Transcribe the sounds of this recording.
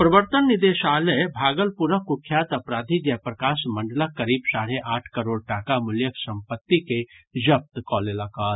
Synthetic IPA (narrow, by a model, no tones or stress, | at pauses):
pɾɐʋəɾt̪ənːɪd̪eːʃaːləjbʱaːɡəlpuɾəkʊkʰːjaːt̪ɐpɾaːd̪ʱid͡ʒɛpɾɐkaːsmɐ̃ɳɖələkːɐɾiːbsaːɽeʔaːʈʰkɐɾoːɽʈaːkamʊljəksɐ̃mpət̪ːiked͡ʒɐp̚t̪kɔːlelaːkaːɾ